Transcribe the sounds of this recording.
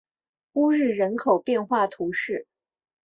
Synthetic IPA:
u˥ɻɻ̩˥˩ɻə˧˥nkʰo˨˩ʊpjɛ˥˧nxwa˥˩t̪ʰu˧˥ʂɻ̩˥˩

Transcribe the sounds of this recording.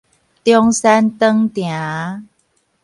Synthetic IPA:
t̪jɔ˧ŋsɛ˧nt̪ə˧ŋt̪ja˨˦

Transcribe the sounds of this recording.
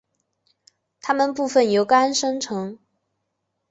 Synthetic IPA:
t̪ʰa˥mə˨npu˥˧fə˥˩njo˧˥ʊka˥nʂɤ˥ŋʈ͡ʂʰɤ˧˥ŋ

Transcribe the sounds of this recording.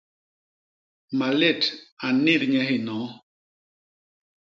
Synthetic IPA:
ma˨le˦˨ta˨nɪ˦˨ɾɲɛ˦ɦɪ˦˨nɔ˨˦

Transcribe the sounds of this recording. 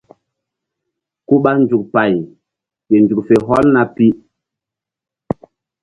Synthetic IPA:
ku˦ɓa˦nd͡ʒu˨k̚pa˨j | ɓe˨nd͡ʒu˨k̚fe˨ɦɔ˦lna˨pi˦

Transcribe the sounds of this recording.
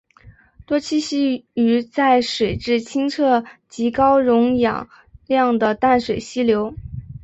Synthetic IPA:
t̪wɔ˥t͡ɕʰi˥ɕi˥y˧˥t͡sa˥˩ɪʂwe˨˩ɪʈ͡ʂɻ̩˥˩t͡ɕʰi˥ŋt͡sʰɤ˥˩t͡ɕi˧˥kɑ˥ʊɻʊ˧˥ŋjɑ̰˨˩˦ŋ | ljɑ˥˩ŋd̪ə˩t̪a˥˩nʂwe˨˩ɪɕi˥ljo˧˥ʊ

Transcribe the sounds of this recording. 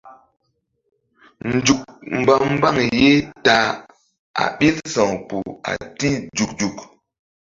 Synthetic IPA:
n̩˨d͡ʒu˨k̚m̩˨ba˦˨m̩˦ba˦˨ŋje˦ta˨ | a̰˨ɓi˦lsɔ˨ŋpu˨a̰˨ti˦d͡ʒu˨k̚d͡ʒu˨k̚

